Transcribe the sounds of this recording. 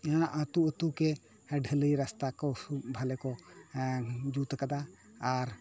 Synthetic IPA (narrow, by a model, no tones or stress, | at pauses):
ʔət̪uʔət̪ukɛ | ɖʱələjɾast̪akɔsubʱalɛkɔ | d͡ʒut̪kad̪aː | ɾ